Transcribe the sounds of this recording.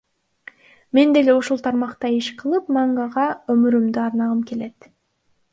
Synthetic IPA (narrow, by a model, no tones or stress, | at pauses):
me̞nd̪e̞leuʃulˠt̪ʰɑɾmɑqt̪ɑeʃqʰəlˠɯpmɑɴɡɑʁɑɵmʏɾymd̪ɪɑɾnɑʁəmkʲʰe̞le̞t̪